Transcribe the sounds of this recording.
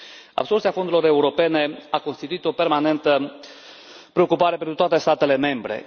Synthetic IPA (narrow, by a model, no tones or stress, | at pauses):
a̰bso̞rt̪siafond̪ɾelo̞ɾe̞uɾo̞pe̞ne̞ako̞nst̪it̪uit̪o̞pe̞rmane̞nt̪ə | pɾe̞o̞kupaɾe̞penɾut̪oat̪e̞st̪at̪e̞le̞me̞mbɾe̞̰